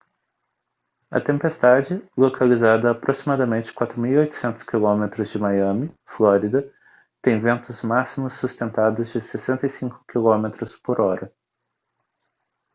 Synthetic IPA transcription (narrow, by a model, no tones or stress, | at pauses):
ɐ̰t̪ẽmpest̪ad͡ʒɪlokʰalizad̪ɐːpɾosimad̪ɐmẽnt͡ʃɪ̥kwat̪ɾʊmiwiojt̪ʊ̥sẽnt̪ʊ̥skilõmet̪ɾʊzd͡ʒɪmajɐ̃mɪ | floɾid̪ɐ | t̪ẽj̃vẽnt̪ʊzmasimʊsːust̪ẽnt̪ad̪ʊzd͡ʒɪsesẽnt̪ɐjsĩkʊ̥kilõmet̪ɾʊspoɾɔɾɐ